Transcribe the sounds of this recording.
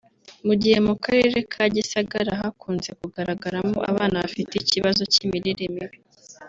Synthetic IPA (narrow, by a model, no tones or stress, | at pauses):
muɟihe̞mukaɾe̞ɾe̞kʰaɟisaɡaɾaɦakuːnze̞kuɡaɾaɡaɾamo̰ʔa̰βaːnaβafiteiciβazo̞cimiɾiɾemiɾe